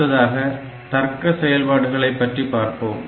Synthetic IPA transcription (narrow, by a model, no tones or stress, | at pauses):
ɐðaːɣɐ | t̪ɐrkːɐsɛjɐlpaːɽɯɣɐɭɐɪpːɐʈripaːɾpoːm